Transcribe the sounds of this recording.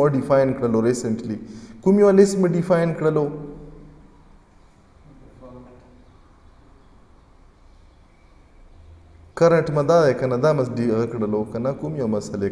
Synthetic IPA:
oɖifaːjnkɽɐloɾiːsəɳʈliːkumijwalesməɖifaːjnkɽɐloː | kɐɾəɳʈmɐ̃d̪aːdekɐnad̪aːmɐsɖiɣɐkɽɐloːkɐnakumijamɐsɐle

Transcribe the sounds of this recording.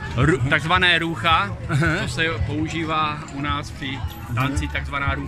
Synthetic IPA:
ɾut̪aɡzvanɛːɾuxat͡sɦoʃsɛpo̞uʒiːvaːʔunaːsfr̥ɪ | t̪ant͡sɪt̪aɡzvanaːɾu

